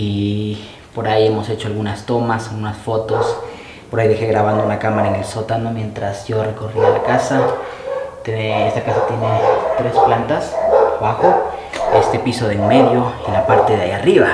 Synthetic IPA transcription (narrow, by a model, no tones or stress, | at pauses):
i | po̞ɾaje̞mo̞se̞t͡ʃo̞alɣunast̪o̞masalɣunasfo̞t̪o̞s | poɾajðexe̞ɣɾaβand̪ounakamaɾaene̞lsot̪ano̞mje̞nt̪ɾasʝo̞re̞ko̞rialakasa | t̪enest̪akasat̪jene̞t̪ɾe̞splant̪asaβaxo̞ | e̞st̪episo̞ðeŋme̞ðjo̞ilapaɾt̪e̞ða̰jiariβa